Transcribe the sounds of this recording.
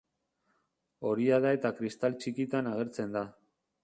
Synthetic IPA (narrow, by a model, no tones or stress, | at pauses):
o̞ɾiað̞ae̞t̪akɾist̪alt͡ʃikit̪anaɣe̞ɾt͡se̞nd̪a